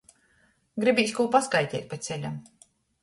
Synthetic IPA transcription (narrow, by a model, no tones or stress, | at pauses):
ɡɾibʲiːsʲkuɔpaskajt̪ʲɛkt̪̚ʲpat̪sʲɛlʲam